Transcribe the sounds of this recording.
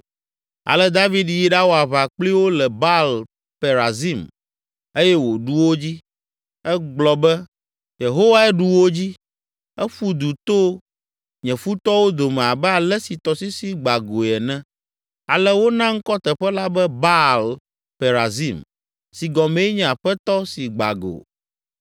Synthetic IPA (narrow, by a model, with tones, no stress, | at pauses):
a̰˨lɛ˦d̪a˦vi˦d̪ji˦ɖa˦wo˦a˨βa˨k͡pli˦wo˦lɛ˨ba˦l | pe˨ɾa˨zi˦m | e˦jɛ˦wo˨ɖu˦wo˦d͡ʑi˦ | ɛ˦ɡ͡blɔ˨bɛ˦ | je˨ɦo˦wa˦ɛ˦ɖu˦wo˦d͡ʑi˦ | ɛ˦ɸu˦d̪u˨t̪o˦ | ɲɛ̃˨fu˦t̪ɔ˦wo˦d̪o˨mɛ̃˨a˨bɛ˦a˨lɛ˦si˨t̪ɔ˨si˦si˦ɡ͡ba˨ɡo˨ɛ˨nɛ̃˦ | a˨lɛ˦wo˦nã˦ŋ̩˦kɔ˦t̪ɛ˨ɸɛ˦la˦bɛ˦ba˦l | pe˨ɾa˨zi˦m | si˨ɡɔ˨mɛ̃˨˦ɲɛ̃˨a˨ɸɛ˦t̪ɔ˦si˨ɡ͡ba̰˨ɡo̰˨